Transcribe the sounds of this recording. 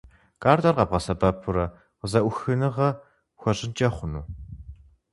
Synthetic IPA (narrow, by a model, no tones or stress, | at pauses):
kʼaːrd̪ɐrʁɐb̚ʁɐsɐbɐpʰʊɾɐ | qəzɐʔʷʊxɨnɨʁɐ | xʷɔʑɪnt͡ʃʼɐχʷʊnuː